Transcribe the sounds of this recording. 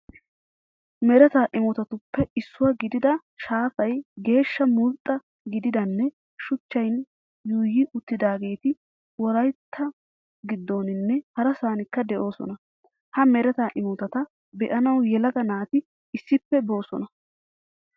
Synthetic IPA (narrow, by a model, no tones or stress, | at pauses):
mɛɾɛt̪aːʔɪmɔt̪ɐt̪ʊpːɛɪsːʊwɐɡɪd̪ɪd̪ɐ | ʃaːfɐjɡe̞ːʃːɐmʊlt̪ʼːɐ | ɡɪd̪ɪd̪ɐnːɛ | ʃʊt͡ʃːɐjn | juːjɪʔʊt̪ːɪd̪aːɡe̞ːt̪ɪ | wɔɾɐjt̪ʰːɐ | ɡɪd̪ːo̞ːnɪnːɛhɐɾɐsaːnɪkːɐd̪ɛʔo̞ːsɔ̰nɐ | hɐmɛɾɛt̪aːʔɪmɔt̪ɐt̪ɐ | bɛʔɐnɐwjɛlɐɡɐnaːt̪ɪː | sːɪpːɛbo̞ːsɔ̰nɐ